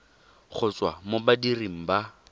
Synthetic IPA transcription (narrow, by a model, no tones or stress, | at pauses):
χʰʊt͡sʼwamobadiriŋ̩ba